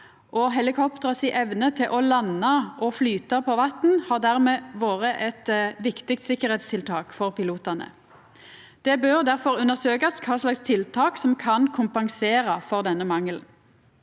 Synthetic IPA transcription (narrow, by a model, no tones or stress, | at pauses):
ʔɔɦɛlɪkʰɔpt̪əʁɑsɪʔɛʋnət̪ʰɪlʔɔlɑnːɑʔɔflyːt̪ɑpʰɔʋɑt̪n̩hɑʁd̪æʁmeːʋoːʁəʔɛt̪ʋɪkt̪ɪk̚t̪sɪkːəɾɛːt̪st̪ʰɪlt̪ʰɑːkfɔʁpɪluːt̪ənə̰ | d̪̥ɛbøʁd̪æʁfɔʁʉnːəʁsøːkɑskʰɑːslɑkst̪ʰɪlt̪ʰɑːksɔmkʰɑnkʰʊmpɑŋseːʁəfɔʁd̪ɛnːəmɑŋːəln̩